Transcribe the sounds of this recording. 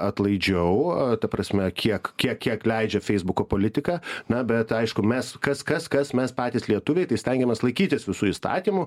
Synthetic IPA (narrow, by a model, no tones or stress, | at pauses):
ɐt̪lˠɐɪd͡ʒʲɛʊt̪ɐpɾɐsʲmʲɛkʲʰiɛkkʲiɛkkʲiɛklʲɛɪd͡ʒʲɛfʲɛɪzbʊkoːpoːlʲɪt̪ʲɪkɑːnɐbʲɛt̪ɐɪʃkʊmʲɛskɐskɐskɐsmʲɛspɑːt̪ʲiːslʲiɛt̪ʊʋʲɛɪt̪ɐɪsʲt̪ʲɛŋʲɡʲɛmʲɛslˠɐɪkʲiːt̪ʲɪsʋʲɪsuːist̪ɑ̰ːt̪ʲiːmʊ